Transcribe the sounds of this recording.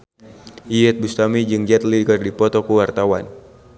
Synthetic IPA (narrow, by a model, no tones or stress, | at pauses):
ʔiɛt̪̚bust̪amid͡ʒɨŋd͡ʒɛt̪̚liɡərdipɔt̪ɔkuwart̪awan